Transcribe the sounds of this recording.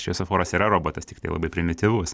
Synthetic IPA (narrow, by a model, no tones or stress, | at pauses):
ʃʲɛsofoːɾɐsiːɾɐɾoːboːt̪ɐst̪ʲɪkt̪ɐɪlˠɐ̰bɐɪpʲɾʲɪmʲɪt̪ʲɪʋʊs